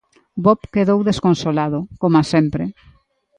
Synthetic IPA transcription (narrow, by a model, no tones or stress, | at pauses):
bɔpkeðowðeskonsolaðʊkomasempɾe